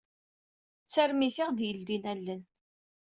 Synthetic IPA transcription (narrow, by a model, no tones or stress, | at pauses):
t͡sːæɾmiθiʁd̪jəld̪inælːən